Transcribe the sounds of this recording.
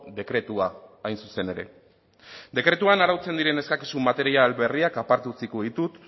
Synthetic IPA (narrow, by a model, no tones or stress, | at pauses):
d̪e̞kɾe̞t̪uaajnsuse̞ne̞ɾe̞̰ | d̪e̞kɾe̞t̪uanaɾawt͡se̞nd̪iɾe̞ne̞skakisumːat̪e̞ɾialβe̞riakapaɾt̪ut͡sikoðit̪ut̪